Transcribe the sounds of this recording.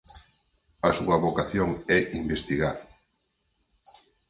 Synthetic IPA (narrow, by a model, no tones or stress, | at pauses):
asuɐβokaθjoŋɛimbest̪iɣaɾ